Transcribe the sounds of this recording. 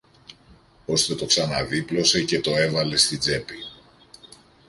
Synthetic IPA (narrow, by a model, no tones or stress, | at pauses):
o̞st̪e̞t̪o̞ksɐnɐðiplo̞se̞ce̞t̪o̞e̞vɐle̞st̪id͡ze̞pi